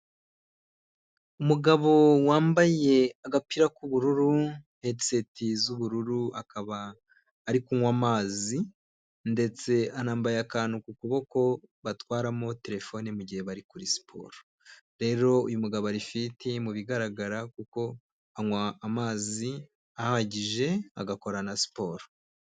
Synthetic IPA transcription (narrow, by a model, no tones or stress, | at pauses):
umuɡaβo̞waːmbaje̞aɡapiɾakuβuɾuɾuhetse̞tʰizuβuɾuɾuakaβaː | ɾikuŋwamaːzi | nde̞t͡se̞anaːmbajakaːnukukuβo̞ko̞βatwaːɾamo̞te̞ɾe̞fo̞nimuɟihe̞βaɾikuɾisi̥pʰo̞̰ːɾo | ɾe̞ɾo̞ujumuɡaβaɾifitemuβiɡaɾaɡaɾakuko̞ | aŋwaːmaːzi | ahaɟiʒe̞a̰ɡako̞ɾanasi̥po̞ːɾo